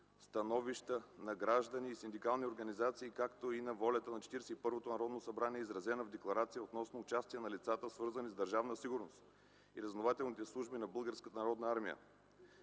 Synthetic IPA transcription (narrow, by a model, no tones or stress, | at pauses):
st̪ɐnɔviʃt̪ənɐɡɾaʒd̪əniːsind̪ikalˠnioɾɡɐnizat̪siːkakt̪oinɐvɔlʲɐt̪ənɐt͡ʃɛ̥t̪iɾɛsɛipɤɾvot̪onɐɾɔd̪nosɐbɾaniɛizɾɐzɛnəvd̪ɛklˠɐɾat̪sijəot̪nɔsnoːt͡ʃast̪iənɐlit̪sat̪əsvɤɾzənizd̪əɾʒavnəsiɡʊɾnost̪ | iɾɐznovat̪ɛlnit̪ɛslˠuʒbinɐbɤlˠɡəɾskət̪ənɐɾɔd̪nɐaɾmijə̰